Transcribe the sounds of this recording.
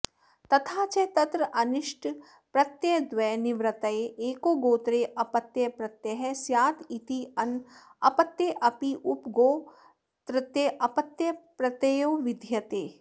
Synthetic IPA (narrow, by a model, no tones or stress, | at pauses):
t̪ɐt̪ʰaːt͡ʃeːt̪ɐt̪ɾɐʔɐnɪʃʈʰ | pɾɐt̪jɐd̪ʋɛːniʋɾɐt̪ɐeʔeːkoːɡoːt̪ɾeːʔɐpɐt̪jɐpɾɐt̪jɐɦɛsjaːt̪ʰit̪iɐn | ɐpɐt̪ːjeːʔɐpiʔupɡoː | t̪ɾət̪jeʔɐpɐt̪jɐpɾɐt̪ejoːʋɪd̪ʱjɐt̪eː